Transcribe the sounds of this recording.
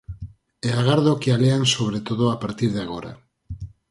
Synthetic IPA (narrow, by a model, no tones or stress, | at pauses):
eaɣ̞aɾðokealeansoβ̞ɾet̪oðoapaɾt̪iɾð̞eaɣ̞oɾa̰